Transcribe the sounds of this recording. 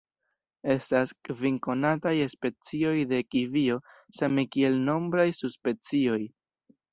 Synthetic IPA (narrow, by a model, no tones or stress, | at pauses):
e̞staskviŋko̞natajespe̞t͡sio̞jde̞kivio̞ | semekie̞lno̞mbɾajsuspe̞t͡sio̞j